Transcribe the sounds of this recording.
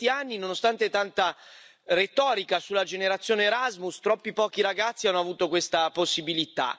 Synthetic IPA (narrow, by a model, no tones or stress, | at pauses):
t̪ianːinonost̪ant̪et̪ant̪a | ret̪ɔːɾikasulːad͡ʒeneɾat̪sːjoːneːɾazmust̪ɾɔpːipɔːk̟iɾaɡat̪sːianːoavuːt̪okwest̪aposːibilit̪a̰